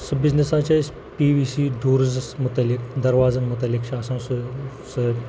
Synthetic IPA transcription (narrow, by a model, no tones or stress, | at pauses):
səbid͡znesãt͡ɕas | piʋisiɖʱoɾd͡zəsmut̪alikd̪ɐɾʋad͡zənmut̪alikɕasãsu | sə